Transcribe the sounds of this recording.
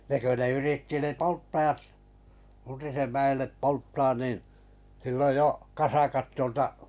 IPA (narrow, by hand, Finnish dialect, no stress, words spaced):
ne kø ne yritːi ne poltːɑj̆ɑt untisem mæelːep poltːɑːn niˑn silːoj jo kɑsɑkɑt tuoltɑ